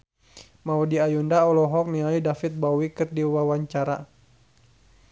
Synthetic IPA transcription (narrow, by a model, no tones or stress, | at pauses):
maudiajundaɔlɔɦɔk̚niaidafɪt̪̚bawikɨrdiwawaɲt͡ʃaɾa̰